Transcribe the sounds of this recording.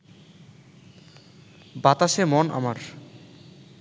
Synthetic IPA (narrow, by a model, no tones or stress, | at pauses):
bat̪aʃemɔnʔa̰maɾ